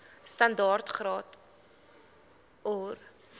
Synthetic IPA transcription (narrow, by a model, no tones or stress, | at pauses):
stɐndɑːrtχrɑːt | ɔr